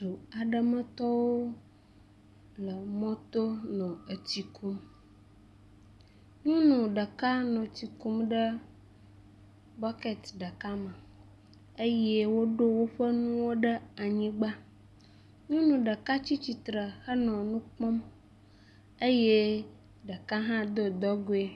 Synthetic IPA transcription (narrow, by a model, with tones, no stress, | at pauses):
u˨a˨ɖə˦˨mə̃˦t̪ɔ˦wo˦ | lə˨mɔ̃˦t̪o˦nɔ̃˨ə˨t͡ɕi˨ku˦m | ɲũ˦nũ˨ɖə˨ka˦nɔ̃˨t̪i˨ku˦mɖə˦ | bɔ˦ke˨t̪ɖə˨ka˦mə̃˨ | e˦jɛ˦wo˦ɖo˦wo˦ɸə˦nũ˦wo˦ɖə˦a˨ɲĩ˦ɡ͡ba˦ | ɲũ˦nũ˨ɖə˨ka˦t͡ɕi˦t͡ɕi˨t̪ɾə˨xə˦nɔ̃˨nũ˦k͡pɔ̃˦m | e˦je˦ | ɖə˨ka˦ɦã˦d̪o˦d̪ɔ˦ɡo˦e˦